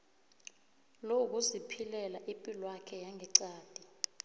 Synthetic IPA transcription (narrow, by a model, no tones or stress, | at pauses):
louk̬uzipʰilɛlaʔipʼilwakʰɛjaŋʱɛǀaːd̥ʱi